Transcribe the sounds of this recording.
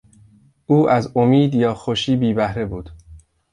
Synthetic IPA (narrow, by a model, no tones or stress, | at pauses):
ʔuːʔæzomiːd̪jɒːxoʃiːbiːbæhɾe̞buːd̪̥